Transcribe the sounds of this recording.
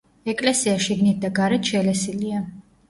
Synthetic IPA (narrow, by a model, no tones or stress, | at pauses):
ɛkʼlɛsiaʃiɡnit̪̚d̪aɡaɾɛt̪ʃɛlɛsilia